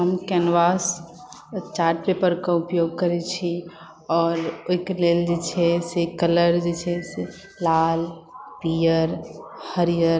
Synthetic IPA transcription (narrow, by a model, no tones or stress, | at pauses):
ɦəmkɛnʋas | t͡ʃaːɾʈpepəɾkaʊpjoɡ̚kəɾet͡ʃʰi | ɔːɾoikeleld͡ʒet͡ʃʰɛsekələɾd͡ʒet͡ʃʰɛse | lalpijəɾhəɾijəɾ